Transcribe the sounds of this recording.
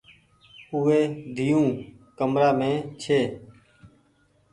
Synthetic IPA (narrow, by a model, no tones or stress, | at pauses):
ʊːeːd̪ʱiːũː | kəmɾaːmẽːt͡ʃʰeː